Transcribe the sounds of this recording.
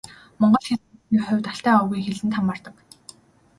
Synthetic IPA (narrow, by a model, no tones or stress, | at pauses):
mɔɴɢɞ̆ɮxasiːχʊwʲt̪aɬt̪æːɔwɣujxeɮɘ̆nt̪ʰamːaːr̥t̪ə̆k